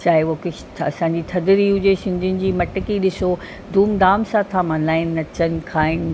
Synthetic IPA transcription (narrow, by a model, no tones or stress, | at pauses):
t͡ɕaːɦeokɪ | t̪ʰɐsãɲ̆d͡ʑit̪ʰɐd̪ɪɾiɦʊd͡ʑesɪ̃nd̪ʱɪʊnɪ̆d͡ʑiːmɐʈəkiɗɪso | d̪ʱuːmd̪aːmsãt̪ʰamãlaːɪnːɐt͡ɕən̆kʰaːɦɪn̆